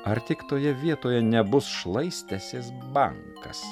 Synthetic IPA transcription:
ɐɾt̪ʲɪkt̪oːjɛʋʲiɛt̪oːjɛnʲɛbʊsʃlˠɐɪsʲt̪ʲæsʲeːs̬bɐ̰ŋkɐ̰s

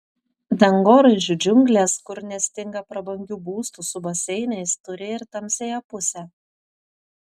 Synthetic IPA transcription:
d̪ʲɐŋɡoːɾɐɪʒʲʊd͡ʒʲʊŋʲɡlʲeːskʊɾnʲɛsʲt̪ʲɪŋɡɐpɾɐbɐŋʲɡʲuːbuːst̪usʊbɐsʲɛɪnɐɪst̪ʊɾʲɪɪɾt̪ɐmʲsʲejopʊsʲɛː

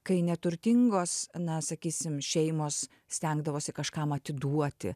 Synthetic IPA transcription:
kɐɪnʲɛt̪ʊɾʲt̪ʲɪŋɡoːsnɐsɐkʲiːsʲɪmʃʲɛɪmoːs | sʲt̪ʲɛŋɡd̪ɐʋoːsʲɪkɐʃkɑmɐt̪ʲɪd̪uɔt̪ʲɪ̰

